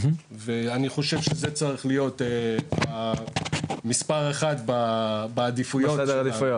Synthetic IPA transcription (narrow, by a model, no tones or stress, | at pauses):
veaniχo̞ʃe̞vʃeze̞t͡saʁiχlijo̞tea | mispaʁeχatbabaːd̪ifujod̪ifj